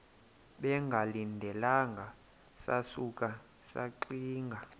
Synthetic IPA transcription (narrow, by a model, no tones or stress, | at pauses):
ɓɛŋɡʱalindʱɛlaŋɡʱa | sa̰suk̬ʼa | sa̰ǃiːŋɡʱa